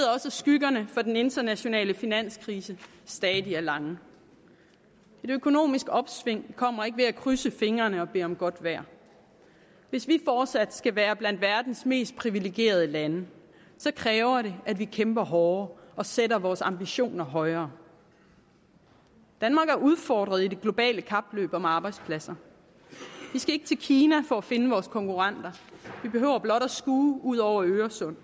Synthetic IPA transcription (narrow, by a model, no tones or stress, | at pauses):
ðˠɒ̽səsɡ̥yɡ̥ɐnəfɒ̽d̥ene̝nd̥ɐnæɕo̝nɛ̰ːləfinæn̰skʰʁiːsə | sd̥ɛːiæɐlɑ̈ŋə | e̝døkʰo̝no̝̰ːmisɡ̥ɒ̽b̥sʋe̝ŋ̰kʰɒ̽m̰ɐe̝ɡ̥əʋe̝ækʰʁysəfe̝ŋɐnəɒ̽b̥e̝̰ːɒ̽mɡ̥ɒ̽d̥ʋæɐ̰ | ʋe̝sʋifɒːd̥sæd̥sɡ̥æʋæːɐb̥lænd̥ʋæɐd̥n̩sme̝̰ːsd̥̚pʰʁiʋile̝ɡ̥je̝̰ːɐð̞ˠəlænə | sɒ̽kʰʁɛːʊɐɾe̝ædʋikʰemb̥ɐɦɒːʔɒ̽seɾɐʋɒːsɑ̈mb̥iɕo̝̰ːnɐɦɒ̽ɪɐː | d̥ænmɑ̈ːɡ̥æɐʔuð̞ˠfɒ̰ːd̥ʁɐð̞ˠide̝ɡ̥lo̝b̥ɛ̰ːləkʰɑ̈b̥lø̰ːb̥ɒ̽mɑ̈ːb̥ɑ̈ɪdspʰlæsɐ | ʋisɡ̥æe̝ɡ̥ət͡sʰe̝lkʰiːnæfɒ̽æfe̝nəʋɒːskʰɒ̽ŋkuʁɑn̰d̥ɐʋib̥e̝ɦø̰ʊ̰ɐb̥lɒ̽ɾ̥æsɡ̥uːuð̞̰ˠɒʊ̰ɐøːɐsɔ̽n̰